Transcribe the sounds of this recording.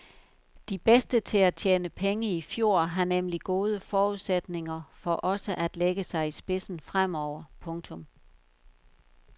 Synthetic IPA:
d̥ib̥esd̥ət͡sʰe̝læt͡ɕʰjeːnəpʰeŋəifjo̝ɐ̰ɦɑ̈nemliɡ̥o̝ːð̞ˠəfɒːuð̰ˠsed̥ne̝ŋɐfɒ̽ʔɒ̽səʔæd̥leɡ̥əsɑ̈ɪisb̥e̝sn̩fʁam̰ɒʊ̰ɐpʰɔ̽ŋt͡sʰɔ̽m

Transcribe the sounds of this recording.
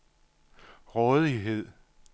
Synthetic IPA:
ʁɔð̩ˠiɦe̝ð̰ˠ

